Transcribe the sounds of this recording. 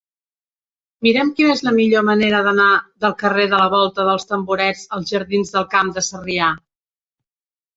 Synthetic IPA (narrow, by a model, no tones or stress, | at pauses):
miɾɛmkinezləmiʎoməneɾəðənaðəlˠkəreðələβ̞ɔlˠt̪əðəlˠst̪əmbuɾɛd͡zəlˠzʒəɾðinzðəlˠkamd̪əsəria